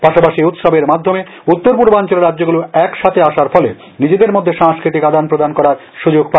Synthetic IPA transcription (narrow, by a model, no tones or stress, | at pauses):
paʃapaʃiut̪ʃabeɾmad̪ʱːome | ut̪ːoɾpuɾboant͡ɕoleɾadːd͡ʑoɡuloɛkʃat̪ʰeaʃaɾfɔlḛ | nid͡ʑed̪eɾmod̪ʱːeʃaŋskɾit̪̬ikad̪anpɾod̪ankɔɾaɾ | ʃud͡ʑoɡpa